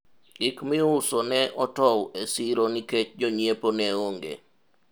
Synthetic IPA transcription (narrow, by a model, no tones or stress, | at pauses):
ɡɪkmɪʊsonɛʔɔtɔwesiɾoniket͡ʃd͡ʒoɲjeponɛoŋɡḛ